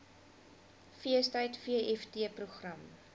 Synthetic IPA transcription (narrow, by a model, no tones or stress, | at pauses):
fiəstəjtfiəʔɛftiəpruχrɐm